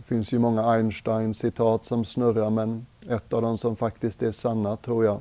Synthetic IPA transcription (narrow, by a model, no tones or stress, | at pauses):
fɪnsjʊmɔŋːaaɪnʂʈaɪnsɪt̪ʰɑːt̪sɔmsnœɾaɾmɛnɛt̪ːɑːvd̪ɛmsɔmfakt̪ɪskt̪æʂɑnːat̪ʰɾuːɾjaɪ